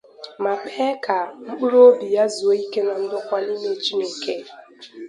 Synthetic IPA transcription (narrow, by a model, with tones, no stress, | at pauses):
ma˨pʰɛ˦ka˨m̩˦k͡pu˦ɾo˦bi˨ja˦zu˨o˦i˦ke˦na˨n̩˦dʊ˦kʷa˦li˦me˨t͡ʃi˦nu˨ŋ̩˨ke˦